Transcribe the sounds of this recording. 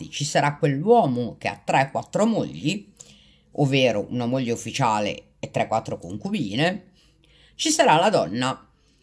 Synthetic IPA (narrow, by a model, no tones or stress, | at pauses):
it͡ʃisaɾakːwelːwɔːmok̟ea̰t̪ːɾɛkwat̪ːɾomoʎːi | ovːeːɾoʔunamoʎːeufːit͡ʃaːlḛ | et̪ːɾɛkːwat̪ːɾokoŋkubiːne | t͡ʃisaɾalad̪ɔnːa